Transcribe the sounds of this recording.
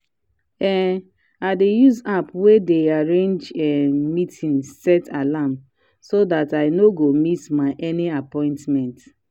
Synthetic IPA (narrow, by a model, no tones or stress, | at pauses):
ɛ | aɪdejuzapwedeaɹẽnd͡ʒɛmitʰĩnsɛtʰalam | sodataɪnoɡomitmaɪʔɛniapɔ̃ɪ̃ntmɛ̃nt